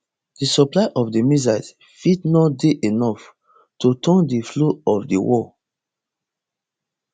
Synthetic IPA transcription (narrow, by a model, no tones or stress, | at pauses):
d̥isɔplaɪʔɔfdimizas | fidnɔdeʔenɔf | totʰɔ̃ndifloɔfdiwɔ